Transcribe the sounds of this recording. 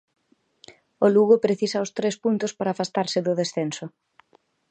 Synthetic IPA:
ʊluɣʊpɾeθisɐʊst̪ɾespunt̪ʊspaɾaːfast̪aɾsɪðʊðesθensʊ

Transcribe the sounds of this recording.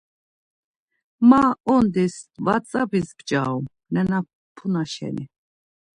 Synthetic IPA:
maɔnd̪isvat͡sʼabisbt͡ʃʼa̰um | nɛna | pʰunaʃɛ̰ni

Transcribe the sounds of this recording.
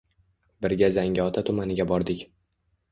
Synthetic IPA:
bɪɾɡʲazaŋɡʲaɒt̪ʰat̪ʰʊmanɪɡʲabɒɾd̪ɪkʲ

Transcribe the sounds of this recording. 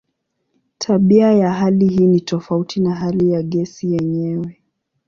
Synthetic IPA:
tʰaɓiajaɦaliɦiːnitɔfautinaɦalijaɠɛsijɛɲɛwɛ

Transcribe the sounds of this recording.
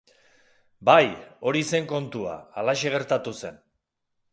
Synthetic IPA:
bajo̞ɾise̞ŋko̞nt̪ua̰ːlaʃeɣ̞e̞ɾt̪at̪use̞n

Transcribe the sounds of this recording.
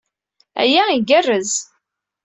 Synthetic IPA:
æ̰jæiɡərːəz

